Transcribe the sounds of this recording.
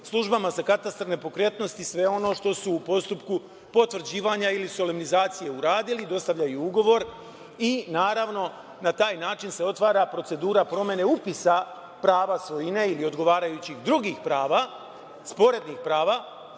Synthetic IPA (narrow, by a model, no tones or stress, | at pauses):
slˠuʒbamazakat̪ast̪ɾane̞po̞kɾe̞t̪no̞st̪isʋe̞o̞no̞ːʃt̪o̞suːpo̞st̪upku | po̞t̪ʋr̩d͡ʑiːʋaːɲailiso̞lemnizaːt̪sije̞uɾaːd̪ilid̪o̞st̪aʋʎajuuɡo̞ʋo̞ɾ | inaːɾaʋno̞ | nat̪aːjnaːt͡ʃinse̞o̞t̪ʋaːɾapɾo̞t̪se̞d̪uːɾapɾo̞me̞ne̞upisa | pɾaːʋasʋo̞jine̞ilio̞d̪ɡo̞ʋaːɾajut͡ɕixd̪ɾuɡixpɾaːʋa | spo̞ɾe̞d̪nixpɾaːʋa